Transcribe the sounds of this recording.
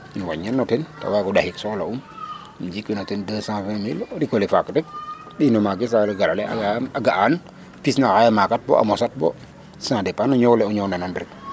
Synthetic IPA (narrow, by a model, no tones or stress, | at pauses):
inwa̰ɲanːɔtɛnta̰waɡɔɗahiksɔlaum | nd͡ʒikwinotendəsãfɛ̃mildikolifakːdək̚ | ɗinɔmaɡes̬aleɡalalea̰aaɡaʔan | pisnahajamakat̚bɔ̰ʔa̰mɔsat̚bɔ̰ | sãdɛpanɔɲowlɛɔɲownanandɾik̚